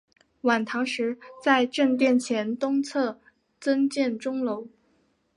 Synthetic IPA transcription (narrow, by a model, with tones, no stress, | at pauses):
wa˨˩nt̪ʰɑ˧˥ŋʂɻ̩˧˥t͡sa˥˧ɪʈ͡ʂə˥˧ŋt̪̬jɛ˥˩nt͡ɕʰjɛ˧˥nt̪ʊ˥ŋt͡sʰɤ˥˩ | t͡sə˥nt͡ɕjɛ˥˩nʈ͡ʂʊ˥ŋlo˧˥ʊ